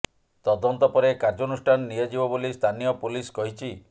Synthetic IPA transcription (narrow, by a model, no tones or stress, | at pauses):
t̪ɔd̪ɔnt̪ɔpɔɾekaɾd͡ʒɔnusʈʰanɔːijod͡ʒibɔbolist̪ʰanijɔpuliskɔɦit͡ʃʰi